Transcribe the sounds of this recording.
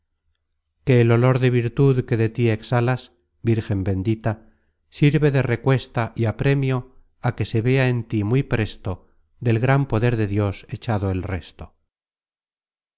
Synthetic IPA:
ke̞ːlo̞lo̞ɾðe̞βiɾt̪uðke̞ðet̪ie̞ksalas | biɾxe̞mbe̞nd̪it̪a | siɾβe̞ðe̞re̞kwe̞st̪aʔiapɾe̞mjo̞ | ake̞se̞βe̞aent̪imujpɾe̞st̪o̞ | ðe̞lɣɾampo̞ðe̞ɾðe̞ðjo̞se̞t͡ʃaðo̞elre̞st̪o̥

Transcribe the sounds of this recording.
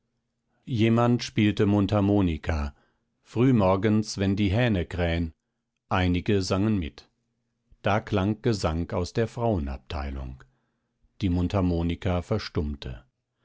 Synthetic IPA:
jeːmantʃpiːltəmʊntamoːnikʰa | fʁ̥yːmɔɐɡənsvɛndiːɦɛːnəkʁ̥ɛːən | ʔaɪnɪɡəzaŋənmɪ̰t | d̥aːkl̥aŋɡ̥əzaŋkaʊsd̥eːɐfʁ̥aʊəna̰p̚tʰa̰ɪlʊ̰ŋ | d̥iːmʊntʰamoːnikʰafɛɐʃtʊmtʰə̰

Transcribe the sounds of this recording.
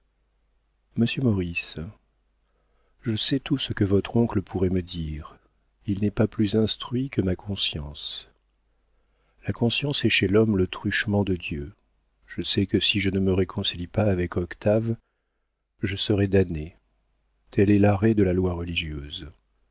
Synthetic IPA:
məsjømɔʁis | ʒəsɛt̪usəkəvɔt̪χɔ̃kləpʰuʁɛməd̪iːʁ | ilnɛpaplyzɛ̃st̪χɥikəmakʰɔ̃sjɑ̃s | lakɔ̃sjɑ̃sɛʃɛlɔmlət̪χyʃmɑ̃d̪əd̪jø | ʒ̥əsɛkəsiʒənəməʁekʰɔ̃silipaːvɛkɔkt̪ʰav | ʒəsəʁɛd̪ane | t̪ʰɛlɛlaʁɛd̪əlalwaʁəliʒjøz

